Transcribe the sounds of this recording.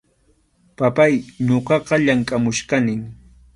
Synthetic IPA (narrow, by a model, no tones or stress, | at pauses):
papajɲoqɑqɑʎaŋkʼamʊʃkanɪŋ